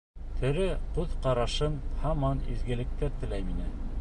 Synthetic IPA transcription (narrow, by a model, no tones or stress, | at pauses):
t̪ʰɵ̆ɾɘqʉðqɑɾɑʃɤnhɑmɑnizɡɘ̆lɘ̆k̚t̪æt̪ɘ̆læjminɘn